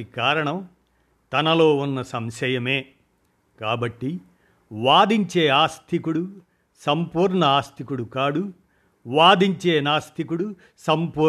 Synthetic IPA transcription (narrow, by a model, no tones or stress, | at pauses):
ikaːɾɐɳɐm | t̪ɐnɐlo̞ːunːɐsɐmʃɐjɐme̞ː | kaːbɐʈːi | ʋaːd̪iɲt͡ʃe̞ːaːst̪ʰikuɽu | sɐmpuːɾɳɐaːst̪ʰikuɽukaːɽu | ʋaːd̪iɲt͡ʃe̞ːnaːst̪ʰikuɽu | sɐmpuː